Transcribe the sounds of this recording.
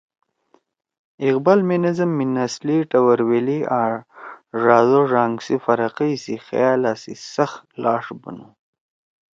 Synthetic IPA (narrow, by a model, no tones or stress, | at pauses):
iqbalminizɐmːinasliʈawaɾwelia | ʐaːzoʐaːŋɡsifaɾaqijsixa̰jaːlasḭsaxlɑːʂbə̰nu